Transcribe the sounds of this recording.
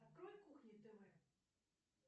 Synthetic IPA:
ɐt̪̚kɾɔlʲkuxnʲit̪ɨvɛ

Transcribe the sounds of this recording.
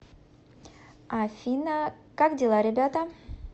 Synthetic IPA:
afʲinə | kakdʲɪlˠaɾʲɪbʲat̪ə

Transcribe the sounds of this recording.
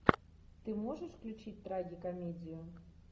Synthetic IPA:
t̪ɨmɔʐɐʂklʲut͡ʂit͡sʲt̪ɾaɡʲikamʲɛd͡zʲiju

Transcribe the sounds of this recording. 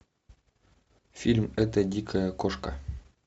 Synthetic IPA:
fʲilʲmɘ̆t̪ɘ̆d̪ʲikʰɘkoʃkɑ̰

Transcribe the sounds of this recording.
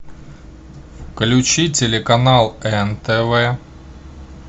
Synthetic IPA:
klʲʊt͡ɕitʲelʲɪkɐnalˠɛnt̪ɛvɛ

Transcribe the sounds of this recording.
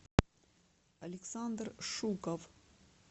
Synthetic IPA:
ɐlʲɪksand̪rʂukəf

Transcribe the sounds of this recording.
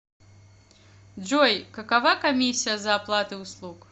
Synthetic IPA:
d͡ʒd͡zɔjkɐkavakamʲisʲijɐzɐːplˠat̪ɨuslˠuk

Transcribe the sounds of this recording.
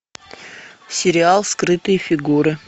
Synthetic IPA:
sʲɪɾʲɪalˠskɾɨt̪ɨjəfʲɪɡuɾɨ

